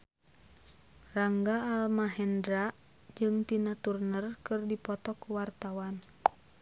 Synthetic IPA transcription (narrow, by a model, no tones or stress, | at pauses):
raŋɡaːlmaɦɛndɾa | d͡ʒɨŋt̪inat̪urnərkɨrdipɔt̪ɔkuwart̪awan